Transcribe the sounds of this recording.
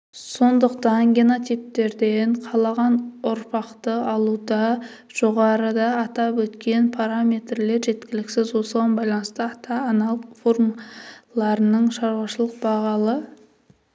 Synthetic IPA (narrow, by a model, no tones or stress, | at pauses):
so̞nd̪əqt̪ɑŋɡʲenot̪ijp̚t̪e̞ɾd̪e̞ɴqʰɑlˠɑʁɑnʊɾpɑqt̪əɑlˠud̪ɑ | ʒ̥oʁɑɾəd̪ɑːt̪ɑpwɵt̪kʲe̞npʰaɾamʲe̞t̪rle̞ɾʒe̞t̪kʲɪlɪkʲsɪzwo̞səʁɑnbɑjlˠɑnəst̪əɑt̪ʰɑːnɑlˠfoɾmlˠɑɾənəɴʃɑɾwɑʃəlˠəq̚bɑʁɑlˠə